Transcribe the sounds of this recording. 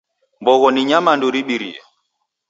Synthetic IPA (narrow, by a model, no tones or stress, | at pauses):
mbɔɣɔniɲamanduɾiɓiɾḭɛ̰